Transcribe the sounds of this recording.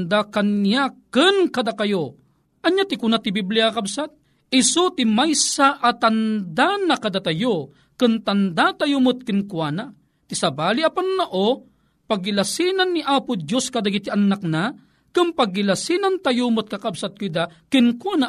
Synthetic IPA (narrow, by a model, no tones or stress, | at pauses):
nd̪akɐnːiakɨnkɐd̪akɐjo | ʔɐɲːat̪ɪkʊnat̪ibibliakabsat̪̚ | ɪsot̪imajsaʔat̪and̪anɐkɐd̪at̪ajo | kɨnt̪ɐnd̪at̪ajumʊt̪̚kɪnkwana | t̪isɐbaːliʔapanːaʔo | paɡɪlasinanːiʔaːpʊd̪joskad̪aɡit̪iʔɐnak̚na | kɨnpaɡːilasinant̪ajumʊt̪̚kɐkabsat̪̚kʊd̪akɪnkwana